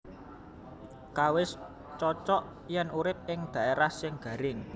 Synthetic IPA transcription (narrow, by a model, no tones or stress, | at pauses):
kawɪs | t͡ʃɔt͡ʃɔʔ | jɛnuɾɪp̚ɪŋd̪̥ä̤ʔeɾahsɪŋɡ̥ä̤ɾɪŋ